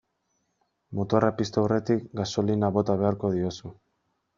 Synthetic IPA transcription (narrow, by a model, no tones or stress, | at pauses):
mot̪o̞rapist̪aore̞t̪ikɡaso̞linaβo̞t̪aβ̞e̞aɾko̞ð̞io̞su